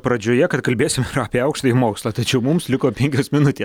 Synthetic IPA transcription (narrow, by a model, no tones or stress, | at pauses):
pɾɐd͡ʒʲoːjɛkɐt̪kɐlʲbʲeːsʲɪmɪɾɐːpʲeːɐʊkʃt̪ɐɪmoːkslˠɐt̪ɐt͡ʃʲɛʊmʊmslʲɪkoːpʲɛŋʲkʲoːsmʲɪnʊt̪ʲeːs